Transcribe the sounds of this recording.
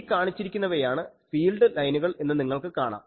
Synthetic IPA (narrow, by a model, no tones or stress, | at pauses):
kaːɳit͡ɕːiɾikʲːunːɐʋɐjaːɳɨfiːlɖɨlɐjnuɣɐɭe̞nːɨniŋːɐɭkɨkaːɳa̰ːm